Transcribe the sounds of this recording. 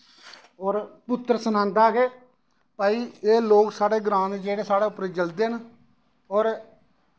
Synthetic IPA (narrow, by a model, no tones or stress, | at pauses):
ɔːɾpʊt̪ːɾsənãːnd̪aːɡeː | paːiːeːloːksaːɽeːɡɾãːnd͡ʒeːɽeːsaːɽaːʊpɾeːd͡ʒəld̪eːn | ɔːɾ